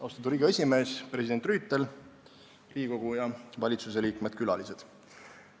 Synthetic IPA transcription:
ɑst̪ɑt̪uɾiːɡ̥ɑe̞sʲime̞ːspre̞sid̪e̞nt̪ryːt̪ːe̞l | riːko̞ɡ̥ujɑvɑlʲit̪suse̞liːkmed̪̚kylɑ̰lise̞d̪̥

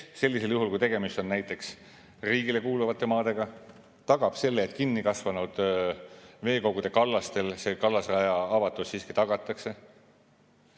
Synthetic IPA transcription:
se̞lːise̞ljuɦulkujt̪eɡe̞mist̪o̞nnæjt̪ːˑe̞ks | riːɡile̞kuːluvɑt̪ːˑe̞mɑːd̪e̞ɡ̥ɑ | t̪ɑɡ̥ɑb̥se̞lːeːt̪ːˑkinːikɑsvɑnud̪̥ | ve̞ːko̞ɡ̥ud̪̥e̞kɑlːɑst̪e̞lse̞kɑlːɑsɑjɑɑvɑt̪ːˑussiːski̥t̪ɑɡ̥ɑt̪ːˑɑkse̞

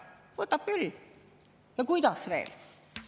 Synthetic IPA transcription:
vɤt̪ːˑɑp̚kyl | jɑkujd̪̥ɑsvḛːl

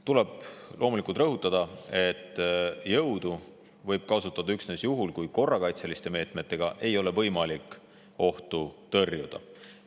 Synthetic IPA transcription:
t̪uleb̥̚lʔo̞ːmulikult̪rɤɦut̪ːˑɑd̪̥ɑe̞t̪ːˑjɤwd̪̥u | vɤ̞jb̥̚kɑsut̪ːˑɑd̪̥ɑyksnesjuɦulkujko̞rːɑkɑjt̪selist̪e̞me̞ːt̪me̞t̪ːe̞ɡ̥ɑʔe̞jo̞le̞vɤ̞jmɑlikˑ | o̞ht̪ut̪ɤrjud̪̥ɑ̰

